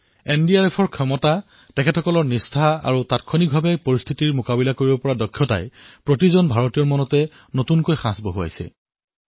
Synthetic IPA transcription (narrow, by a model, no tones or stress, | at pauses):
endiaɹɛpʰɔɹkʰɔmɔta | tɛkʰɛtʰɔkɔlɔɹnistʰaa̰ɹutatkʰɔnik̚bʱabɛpoɹist̪ʰitiɹmʊkabilakoɹibɔpɔɹadɔkʰːjɔta̰jpɹotizɔnbʱaɹotijɔɹmɔnɔtɛ | notunkojxãsboɦua̰jsɛ̰